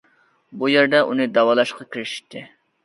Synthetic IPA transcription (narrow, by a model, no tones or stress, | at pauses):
bujæɾd̪ɛʔunɨd̪ɑwɑlˠɑʃqʰɑkʲʰiɾɪʃi̥t̪ʰːɪ